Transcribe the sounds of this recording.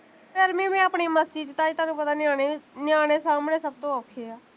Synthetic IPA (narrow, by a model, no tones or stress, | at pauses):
peɾmĩːmɛ̃ːapɳiːməsiːt͡ʃt̪ãːiːt̪ʊaːnũːpət̪aːnɪaːɽ̃enjaːɽ̃eːsaːmnẽːsəb̚t̪õːəkʰeːaː